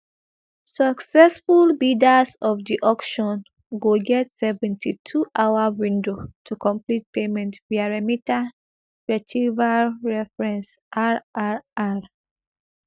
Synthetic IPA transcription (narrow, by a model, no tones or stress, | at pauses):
sɔksɛsfulbidasɔfdiʔɔkʃɔ̃n | ɡoɡɛtsɛvɛ̃ntʰitʰuʔawawĩndotʰukɔ̃mplit̚pemɛ̃ntviaɹamita | ɹɛt͡ʃivaɹɛfɹɛ̃ns | ʔaaa